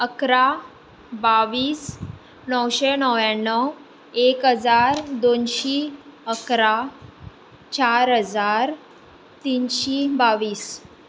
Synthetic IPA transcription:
əkɾa | baʋiːs | nəwɕenəwjanːəw | ekɦəd͡zaɾd̪onɕiːəkɾa | t͡ɕaɾɦəd͡zaɾ | t̪inɕibaʋiːs

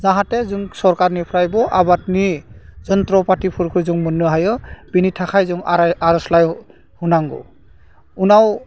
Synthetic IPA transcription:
zaɦãtɛzuŋsɔɹkaɹnipʰɹajbɔʔabatnizɔntɾɔpatipʰuɾkʰɔɾzuŋmɔnːuɦajɔb̥initʰakʰajzɔŋaɾɔslaj | hunaŋɡɔ̰ | unaw

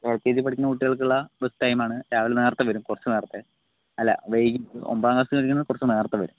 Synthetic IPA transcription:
eːlkːeːd͡ʑip̬ɐʈikʲːunːɐkuʈːiɣɐɭk̬uɭːɐbestɐjmaːɳɨɾaːʋilneːrt̪ːɐʋɐɾumkurɐt͡ɕːɨneːrt̪ːe | ɐlːɐ̰ʋejɡiɨo̰mbaːŋɡɐst̪iɐʈikʲːunːɐðɨkurɐt͡ɕːɨneːrt̪ːɐʋɐɾum

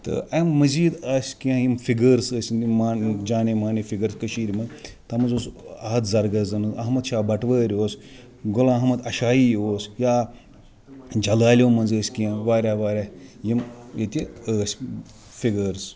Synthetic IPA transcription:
t̪ɨ̰ʔɐmːɐziːd̪asʲkijãːjimfiɡəɾsəːsʲnd̪ʲimaːd͡ʒaːnemaːnefiɡəɾskəʃiːɾʲimɐnt̪ɐmɐnzoːsɐːɐt̪zɐɾɡɐzɐnɨzɐɦmɐd̪ʃaːbɐʈʋəːɾʲoːs | ɡolãːɦmɐd̪ɐʃaːjiːjoːsjaː | d͡ʒɐlaːlʲoːmɐnzəːsʲkijãːʋaːɾʲaːʋaːɾʲajimjet̪ʲiəːsʲ | fiɡəɾs

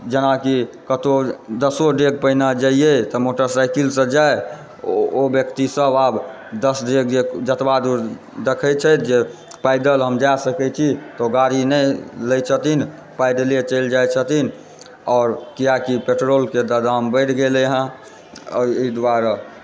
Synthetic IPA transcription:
d͡ʒənaki | kət̪od̪əsoɖeɡ̚pəɦnad͡ʒaiet̪ɔmoʈəɾsaɪkilsə̃d͡ʒae | objəkt̪isəbab | d̪əsɖeɡd͡ʒed͡ʒət̪bad̪uɾ | d̪ekʰət͡ʃʰət̪d͡ʒe | paɪd̪əlɦəmd͡ʒasəkɛt͡ʃʰit̪ɔoɡaɾinələjt͡ʃʰət̪in | pajd̪əliet͡ʃəɪld͡ʒajt͡ʃʰət̪in | ɔːɾkijakipeʈɾolked̪ad̪ambəɪʈʰɡelɦã | id̪waɾa

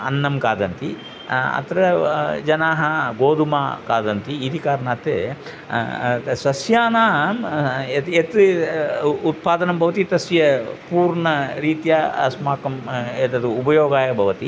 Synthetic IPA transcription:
ɐ̰nːɐmkaːd̪ɐnt̪i | ɐ̰t̪ɐɾɐd͡ʒɐnaːɦɐɡoːd̪uma̰ːkaːd̪ɐnt̪iid̪ʱikaːɾnaːt̪ḛ | sɐsjaːnaːmeet̪ | ut̪̚paːd̪ɐnɐmbʱɐʋɐt̪it̪ɐsjɐpuːɾɳɐɾiːt̪jasmaːkɐmet̪ɐd̪uubɐjoːɡaːjɐbʱɐʋɐt̪i

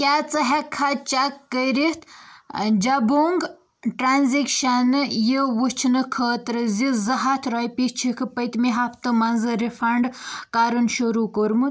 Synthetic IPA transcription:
kʲaːt͡sɐɦekʰat͡ʃakːəɾiht̪ | d͡ʒɐbuŋɡ | ʈɾaːnzikʃɐnɨjiʋut͡ʃʰnɨkʰəːt̪ɾɨzizɐɦɐt̪ʰɾoːjpit͡ʃʰikʰɨpəjt̪miɦɐpʰt̪ɨmɐnzɨɾifʰɐɳɖkaːɾunʃuɾukoɾmu

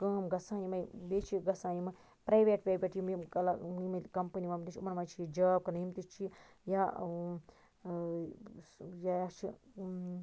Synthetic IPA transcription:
kɐːmɡɐsãːnimɐjbeːt͡ʃʰiɡɐsaːjimɐ | pɾɐjʋeːʈbʲebʲeʈjimimkɐlaimɐkɐmpɐniʋɐmt̪it͡ʃʰumɐnmɐt͡ʃʰiid͡ʒaːb̚kɐnjimt̪it͡ʃʰi | ja | jat͡ʃʰi

